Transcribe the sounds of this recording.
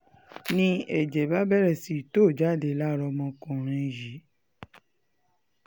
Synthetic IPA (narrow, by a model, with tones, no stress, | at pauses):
nĩ˧˦ɛ˨d͡ʒɛ˨ba˦bɛ˦ɾɛ˨si˨to˦˨d͡ʒa˦˨de˧˨˦la˦˨ɾɔ˧mɔ̃˧kũ˨ɾ̃ɛ̃˧ji˨˦